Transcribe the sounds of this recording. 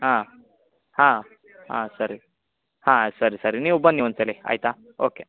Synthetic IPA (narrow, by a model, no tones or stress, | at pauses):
ɦã | hã | ɦã̰səɾi | hãsəɾisəɾiniubənːiʋənt͡səlea̰jt̪a | oke